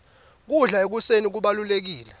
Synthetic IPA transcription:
k̬uɮaek̬usenik̬uɓalulek̬iːlɛ

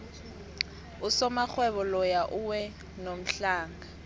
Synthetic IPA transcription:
usɔmak͡xwɛβɔlɔjaʔuwɛ | nom̩ɬaːŋɡa

